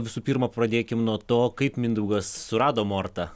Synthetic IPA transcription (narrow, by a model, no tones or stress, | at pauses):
ʋʲɪsuːpʲiːɾmɐpɾɐd̪ʲeːkʲɪmnuɔt̪oːkɐɪpmʲɪnd̪ɾuʊɡɐssʊɾɑːd̪oːmoːrt̪ɐ